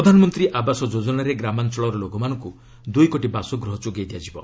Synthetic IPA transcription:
ɾɔd̪ʱanɔmɔnt̪ɾiʔabasɔd͡ʒod͡ʒɔnaɾeɡɾamant͡ʃɔɭɔɾɔloɡɔmanɔ̃ŋku | d̪ujkoʈibasɔɡɾɔɦɔt͡ʃuɡejd̪ijad͡ʒibɔ

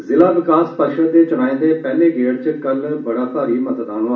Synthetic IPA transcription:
zɪlaːʋɪkaːspəʃəd̪eːt͡ʃʊɽ̃aːĩːnd̪eːpɛːleːɡʱeːɽt͡ʃəkəlbəɽaːt̪aːɾiːmət̪əd̪aːɽ̃aː

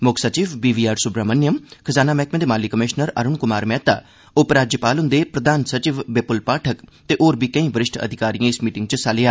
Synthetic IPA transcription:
mʊkʰsət͡ʃiːʋbiːʋiːaːɾsʊpɾaːmənːjəmkʰəzaːnaːmɛːkmẽd̪eːmaːlikəmɪʃnəɾə̰ɾʊɳkʊmaːɾmɛːt̪a̰ː | ʊpɾaːd͡ʒjəpaːlʊnd̪eːpɾəd̪aːnsət͡ʃiːʋbepʊlpaːʈʰəkt̪eːʔoːɾbiːkəĩːbəɾɪʃʈʰə̰d̪ʱɪkaːɾijãːɪsmiːʈɪ̃ŋɡ̚t͡ʃəsaːlɪaː

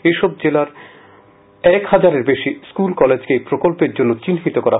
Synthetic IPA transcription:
eʃɔb̚d͡ʑelaɾ | ɛkhad͡ʑaɾeɾbeʃiskulkɔled͡ʑkepɾokolpeɾd͡ʑonːot͡ɕinɦit̪okɔɾa

